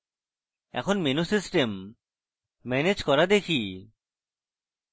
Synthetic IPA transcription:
ɛ̰kʰɔnmenusisʈem | mɛned͡ʒkɔɾad̪ekʰi

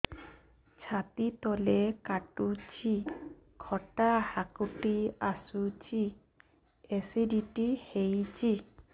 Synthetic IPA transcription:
t͡ʃʰat̪it̪ɔlekaʈut͡ʃʰi | kʰɔʈahakuʈiasut͡ʃʰi | esidiʈihejt͡ʃʰi

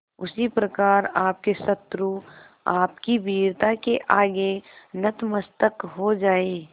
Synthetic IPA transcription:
ʊsipɾɐkaːɾaːp̚kesət̪ɾu | aːpkibʱiːɾt̪akeʔaːɡenɐt̪məst̪əkɦod͡ʒaːeː

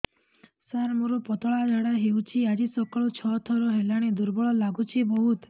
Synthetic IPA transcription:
saɾmuɾɔpɔt̪ɔɭad͡ʒaɽaɦeut͡ʃʰiad͡ʒisɔkɔɭɔt͡ʃʰɔt̪ʰɔɾɔɦelaɽ̃ed̪uɾbɔɭɔlaɡut͡ʃʰibɔɦut̪

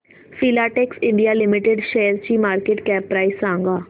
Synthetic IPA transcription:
fiːlaːʈeːksɪ̃ɳɖijaːlɪmɪʈeɖʃeːəɾt͡ʃiːmaːɾkeːʈkɛːpːɾaːisãːŋɡaː

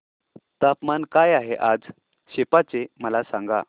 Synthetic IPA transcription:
t̪apmankajaɦeʔad͡z | ɕepat͡seməlasãŋɡa̰

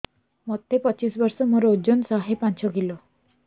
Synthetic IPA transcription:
mɔd̪ʱepɔt͡ʃisbɔɾsɔmoɾɔud͡ʒonsaɦepant͡ʃʰɔkilɔ

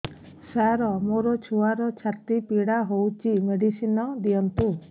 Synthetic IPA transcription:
saɾɔmoɾɔt͡ʃʰuwaɾɔt͡ʃʰat̪ipiɽaɦowt͡ʃimeɽisinɔd̪ijɔnt̪u

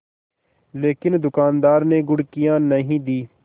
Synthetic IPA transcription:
leːkɪnd̪ʊkaːnd̪aːɾneːɡʊɽkijãːnəɦĩːd̪iː

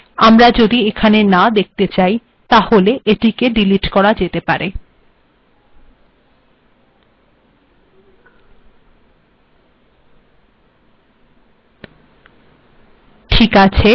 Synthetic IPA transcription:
amɾad͡ʑod̪iekʰanenad̪ek̚t̪et͡ɕaj | t̪aholeʔeʈikeɖiliʈkɔɾad͡ʑet̪epaɾe | ʈʰikat͡ɕʰe

